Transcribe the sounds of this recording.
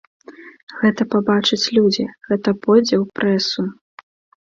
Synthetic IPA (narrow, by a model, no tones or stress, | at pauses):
ɣɛt̪ɐpabat͡ʂɐt͡sʲlʲud͡zʲiɣɛt̪ɐpɔjd͡zʲɛwpɾɛsu